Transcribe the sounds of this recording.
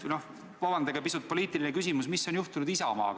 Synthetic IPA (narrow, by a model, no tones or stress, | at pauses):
no̞h | vɑbɑnd̪̥ɑɡ̥ɑpisut̪̚poliːt̪ːˑilinekysʲimusmisːo̞njuht̪unud̪isɑ̰mɑ̰ːk